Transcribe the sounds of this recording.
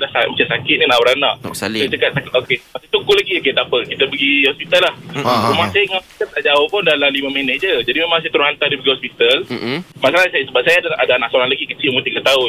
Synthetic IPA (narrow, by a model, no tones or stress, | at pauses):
dahsamat͡ʃansakɪt̪̚ninawɾanaʔat͡ʃəkat̪̚sak̪okemasat̪ukulaɡioket̪apəkit̪əbəɡihɔspit̪alahumasajaɔspit̪alt̪aʔd͡ʒaʊhpʊndalamliməmenehd͡ʒəd͡ʒadimemãŋsajat̪əɾʊhant̪adibəɡihɔspit̪almasalasajsəbap̚sajaadaʔadaanaʔsoɾaŋlaɡikət͡ʃimut̪iɡat̪au